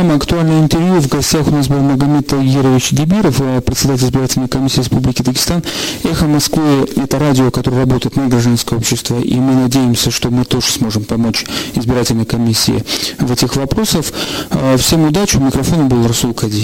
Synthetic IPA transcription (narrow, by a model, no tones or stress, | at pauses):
amɐkt̪ʊalʲnɨjɪnt̪ɪrvjuvɡɐsʲtʲaxʊnas̬bɨlˠməɡɐmʲet̪əɡʲiɾəvʲɪt͡ɕd̪ʲɪbʲiɾəfəpɾʲɪt̪sʲɪd̪at̬ʲɪlʲɪzbʲɪɾatʲɪlʲnəjkɐmʲisʲːiːɾʲɪspublʲɪkʲɪd̪əɡʲɪ̥st̪anɛxəmɐskvɨɛt̪əɾadʲɪokɐt̪o̞ɾəɨjrɐbo̞t̪əjɪt̪nəɡɾɐʐd̪anskəjo̞pɕːɪst̪vəʔḭmɨnɐdʲejɪmsʲəʂt̪o̞mɨt̪o̞ʐɨsmo̞ʐɨmpɐmo̞t͡ɕɪzbʲɪɾatʲɪlʲnəjkɐmʲisʲːɪ̰ɪ̰vɛtʲɪxvɐpɾo̞səffsʲe̞mʊd̪at͡ɕʊmʲɪkɾɐfo̞nəbɨlˠrɐsulˠkɐdʲi